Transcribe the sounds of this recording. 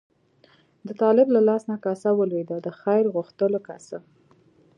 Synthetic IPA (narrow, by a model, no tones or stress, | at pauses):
d̪ət̪ɑlɪblalɑsnakasawəlwed̪ad̪əxajɾɣuxt̪əloka̰sa